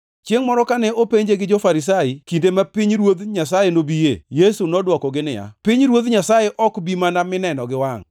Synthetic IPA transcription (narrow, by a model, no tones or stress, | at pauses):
t͡ʃjeŋmɔɾɔkanɛopeɲd͡ʒeɡɪd͡ʒɔfaɾɪs̬aikindemapiɲɾwod̪ɲasajenobijejesunɔdwɔkɔɡɪnɪ̰ja̰pɪɲɾwod̪ɲasajeʔɔkbimanamɪnɛnɔɡɪwaŋ